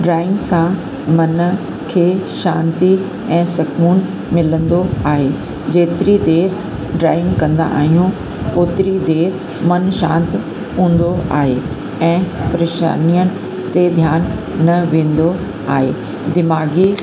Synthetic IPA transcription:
ɖɾaːɪ̃ŋɡsã | mɐn | kʰeːʃãːnt̪i | ɛ̃ːsɐkmuːn | mɪlə̃nd̪oaːɦe | d͡ʑeːt̪ɪɾid̪eːɾ | ɖɾaːɪ̃ŋɡkɐ̃nd̪a̰ʔa̰ːɦijũ | oːt̪ɪɾid̪eːɾ | mɐnʃã̰ːnt̪ɪ | ɦũːn̆d̪oa̰ːɦe | ɛ̃ːpɾeːʃa̰ːnijənɪ̆ | t̪ed̪ʱjaːnː | ɐʋẽːn̆d̪o | aːɦḛː | d̪ɪmaːɡi

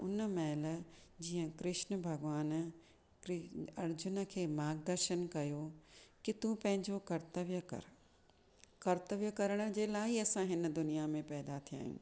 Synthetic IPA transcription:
ʊnəmɛːld͡ʑiːə̃kɾɪʃnəbʱɐɡʋaːn | ɐɾd͡ʑʊnə̆kʰeːmaːɡd̪əɾʃənkɐjokɪt̪ũpɐ̃ɦɪ̃ɲd͡ʑokɐɾt̪əʋjək | kɐɾt̪əʋjəkɐɾəɽ̃ə̆d͡ʑeːlaːiɐsãɦɪnə̆d̪ʊnijamẽpɛːd̪at̪ʰija̰ːɦjṵ̃ː

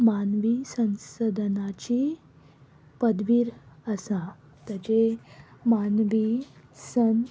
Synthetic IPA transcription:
manʋisə̃nsəd̪ʱnat͡ɕi | pəd̪ʋiɾəsã | t̪at͡ɕemanʋisən

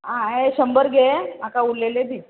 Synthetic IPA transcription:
ɦãeɕəmbəɾɡʱemakauɽleled̪i

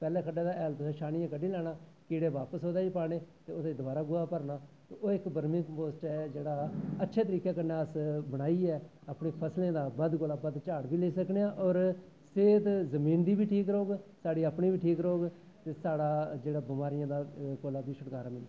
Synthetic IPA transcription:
pɛːlẽːkʰəɖeːd̪aːɛːlt̪sãːʃaːɽɪjãːkəɖiːlɛːɽ̃aːkiːɽeːʋaːpəsɦoːd̪aːiːpaːɽ̃eːt̪eːʊt̪ed̪ʊbaːɾaːɡʊaːpəɾnaːt̪eːoːɪkbəɾmĩːkəpoːsʈɛːd͡ʒeːɽaːətːʃʰeːt̪əɾiːkaːkəɾnaːəsbəɽ̃aːiːɛː | aːpɳeːpʰəslẽːd̪aːbəd̪koːlaːbəd̪t͡ʃaːɽbiːleːsəkneːãːʔɔːɾ | seːd̪zəmiːnd̪iːbiːʈʰiːkɾoːɡsaːɽiːəpɳiːbiːʈʰiːkɾoːɡ | t̪eːsaːɽaːd͡ʒeːɽaːbɪmaːɾɪjãːd̪aːkoːlaːbiːsəʈkaːɾãːmɪnː

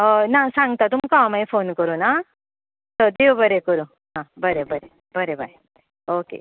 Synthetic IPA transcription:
nasãŋɡt̪at̪umkãmajfonkəɾona | t̪əd̪ewbəɾekəɾu | ɦãbəɾebəɾe | bəɾebʱaj | okḛ

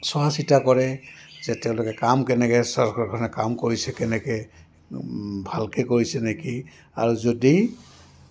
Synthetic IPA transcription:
swasitakɔɹɛzɛtɛʊ̃lokɛkamkɛnɛkɛsɔɹkɔkʰɔnɛkamkoɹisɛkɛnɛkɛ | bʱalkɛkoɹisɛneki | a̰ɹuzodi

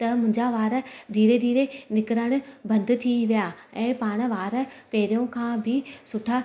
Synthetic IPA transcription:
t̪ɐmʊ̃ɪ̃ɲd͡ʑaʋaːɾd̪ʱiːɾed̪ʱiːɾenɪkɾəɽ̃ʊ̆bɐ̃nd̪t̪ʰiʋijaɛ̃ːpaːɽ̃̆ʋaːɾpeːɾijõkʰãbʱɪsʊʈʰa

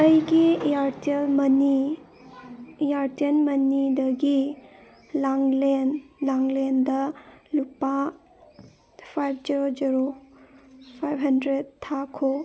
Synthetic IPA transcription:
ɐjɡijaɾtelmɐni | jaɾtenmɐnidɐɡi | laŋlenlaŋlendɐlupːa | pʰajb̚ʰd͡ʒiɾod͡ʒiɾo | pʰajbɦɐndɾed̚tʰːakʰo

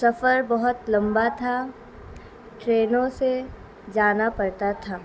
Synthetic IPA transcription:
sɐfəɾbɐɦʊt̪lɐ̃mbat̪ʰa | ʈɾeːnõse | d͡ʒaːnapɐɾt̪at̪ʰaː

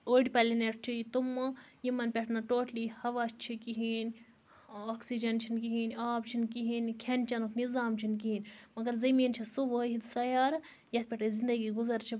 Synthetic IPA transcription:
oːɽʲpɐlʲineʈ̚ʰt͡ʃʰijit̪umːɨjimɐnpʲɛʈʰnɐʈoːʈlihɐʋat͡ʃt͡ʃʰikiɦiːnʲ | oːksid͡ʒɐnt͡ʃʰinkiɦiːnʲaːpt͡ʃʰinkiɦinʲkʲʰɐnʲt͡ʃɐnuknizaːmt͡ʃʰinkiɦinʲmɐɡɐɾzɐmiːnt͡ʃʰisuʋəːɦit̪sɐjaːɾ | jɐt̪̚ʰpʲɛʈɐzind̪ɐɡiːɡuzɐɾt͡ʃʰi

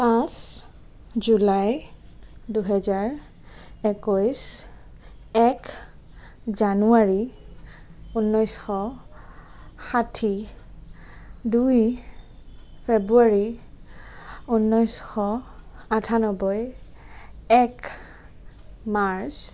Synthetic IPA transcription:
pãs | zulaj | duɦɛzaɹ | ɛkɔjs | ɛk | zanuaɹi | unːɔjsxɔ | xatʰi | duj | pʰebɹuaɹi | unːɔjsxɔatʰanɔbɔj | ɛk | maɹs

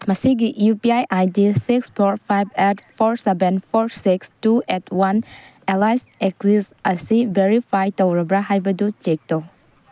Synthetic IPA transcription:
mɐsiɡiʔjupiajʔajdisikspʰɔɾpʰajb̚ɛtpʰɔɾsebenpʰɔɾsikstuɛtwanelajsek̚sisɐsibeɾipʰajtowɾɐbɾaɦajbɐdut͡ʃek̚to

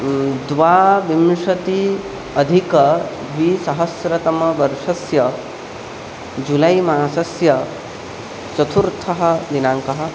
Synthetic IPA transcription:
d̪ʋaːʋimʂɐt̪i | ɐd̪ʱikɐ | ʋisɐɦɐsɾɐt̪ɐmɐʋɐɾʂɐsjɐ | d͡ʒulɐjmaːsɐsjɐ | t͡ʃɐt̪ʰuɾt̪ʰɐɦɐ̆d̪inaːŋkɐɦɐ̆

